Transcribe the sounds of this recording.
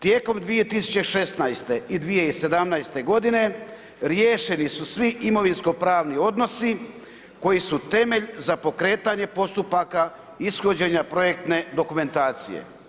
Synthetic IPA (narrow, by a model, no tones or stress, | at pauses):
t̪jeːko̞md̪ʋije̞t̪isu̥t͡ɕe̞ʃe̞st̪najst̪e̞id̪ʋije̞ise̞d̪amnajst̪e̞ɡo̞d̪ine̞ | ɾjeːʃe̞nisusʋiʔimo̞ʋinsko̞pɾaːʋnio̞d̪no̞si | ko̞jisut̪e̞me̞ʎzapo̞kɾe̞ːt̪aɲe̞po̞st̪upaka | isxo̞d͡ʑe̞ɲapɾo̞je̞k̚t̪ne̞d̪o̞kume̞nt̪aːt̪sḭje̞̰